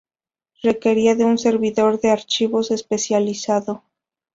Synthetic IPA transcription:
re̞ke̞ɾiaðe̞unse̞ɾβiðo̞ɾðe̞aɾt͡ʃiβo̞se̞spe̞sjalisaðo̞

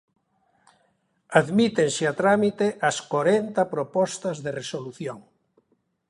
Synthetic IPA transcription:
aðmit̪eŋseat̪ɾamit̪eʔaskoɾent̪ɐpɾopɔst̪ɐzðeresoluθjoŋ

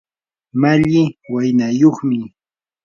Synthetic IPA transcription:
maʎɪwajnajoχmɪ

